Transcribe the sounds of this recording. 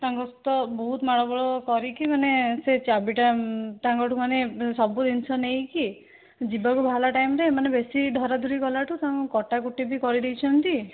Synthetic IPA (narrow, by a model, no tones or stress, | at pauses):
t̪aŋkɔst̪ɔbɔɦut̪maɽɔbɔɭɔkɔɾikimaneset͡ʃabiʈat̪aŋkɔʈumanesɔbud̪int͡ʃʰɔnejki | d͡ʒibakubʱalaʈajmɾeːmanebesiɖʱɔɾad̪ʱuɾikɔlaʈut̪aŋkukɔʈakuʈibikɔɾid̪ejt͡ʃʰɔnt̪i